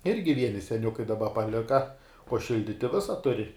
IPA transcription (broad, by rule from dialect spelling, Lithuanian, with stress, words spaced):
ˈɪrʲɡʲɪ ˈʋʲiɛnʲɪ sʲɛˈnʲʊkɐɪ dɐˈbɐ pɐˈlʲɪkɐ uɔ ˈʃʲɪlʲdʲɪtʲɪ ˈʋʲɪsɐ tʊˈrʲɪ